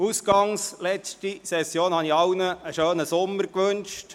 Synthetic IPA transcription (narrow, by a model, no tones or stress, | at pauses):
usɡ̥ɑŋslɛt͡stisɛsjoːnhɑniɑwnəːʃøːnəsʊmːəɾkʋɵnʃt